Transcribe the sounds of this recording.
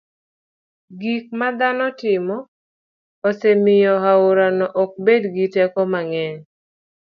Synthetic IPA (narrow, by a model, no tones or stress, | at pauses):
ɡik̚mad̪anɔtɪmɔ | ɔsɛmɪjɔɦaʊɾanɔʔɔk̚bedɡitɛkɔmaŋɛɲ